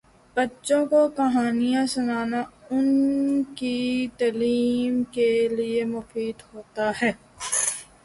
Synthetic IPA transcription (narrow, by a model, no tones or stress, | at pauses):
b̥ɐtːʃõkokɐɦaːnijãsʊnaːnaʊnkit̪ɐliːmkeliemʊfiːd̪ɦoːt̪aɦɛː